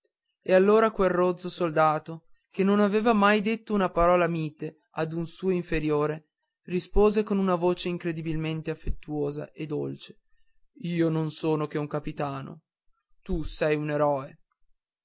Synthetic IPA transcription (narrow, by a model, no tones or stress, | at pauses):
ealːoːɾakwelrod̪zosold̪aːt̪o | k̟enːonaveːvamajd̪et̪ːounapaɾɔːlamiːt̪e | ad̪unsuːoiɱfeɾjoːɾe | rispoːzekonunavoːt͡ʃeiŋkɾed̪ibilment̪eafːet̪ːuoːza̰ʔed̪ːolt͡ʃe̥ | iːononsoːnokeuŋkapit̪aːno̰ | t̪usɛjuneɾɔːe